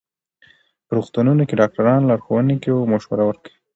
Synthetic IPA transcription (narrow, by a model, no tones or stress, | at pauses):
pəɾuxt̪ununokeɖɑk̚ʈaɾɑnlɑɾxowənekewomoʃwaɾawəɾkəwi